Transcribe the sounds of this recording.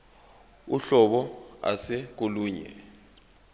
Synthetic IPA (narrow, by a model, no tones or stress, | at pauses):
uɬɔɓɔa̰sɛk̬oluːɲɛ̰